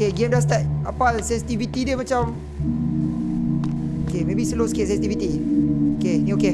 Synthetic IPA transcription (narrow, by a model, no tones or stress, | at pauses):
keɡemdas̬t̪at̪̚ʔa̰pasɛ̃nsi̥t̪ivit̪idiəmat͡ʃam | okemebisəloskit̚sɛ̃nsit̪ivit̪iokenioke